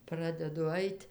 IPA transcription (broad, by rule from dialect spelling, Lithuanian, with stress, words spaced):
ˈprɑːdʲɛdʊ ˈɐɪtʲ